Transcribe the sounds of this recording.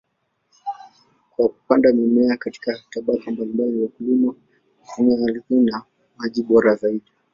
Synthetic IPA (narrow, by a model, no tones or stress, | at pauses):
kwaku̥pandamɛmɛakati̥kataɓakambalimbaliwakilima | utumiaaliθina | maʄiɓɔɾazaiɗi